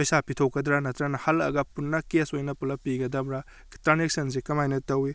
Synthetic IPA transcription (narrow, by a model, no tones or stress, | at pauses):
pojsapitʰowkɐdɾɐnɐtɾɐnɐhɐlɐ̰ɡɐpunːɐkesojnɐpulɐpiɡɐdɐmɾa | tɾanek̚sɐns̬ikɐmajnɐtɐwi